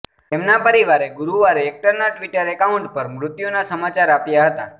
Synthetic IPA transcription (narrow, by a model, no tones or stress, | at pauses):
t̪emnapəɾiʋaɾeɡuɾuʋaɾeek̚ʈəɾnaʈʋiʈəɾɛkauɳʈpəɾmɾʊt̪jonasəmat͡ʃaɾapjaɦət̪a